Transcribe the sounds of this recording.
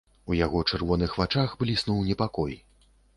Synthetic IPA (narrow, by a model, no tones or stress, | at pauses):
ujaɣɔt͡ʂɛrvɔnɨxvat͡ʂaxblʲisnɔwnʲɛpakɔj